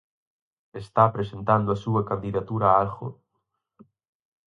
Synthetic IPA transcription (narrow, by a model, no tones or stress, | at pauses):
est̪apɾesent̪and̪oasuakand̪iðat̪uɾaalxo̰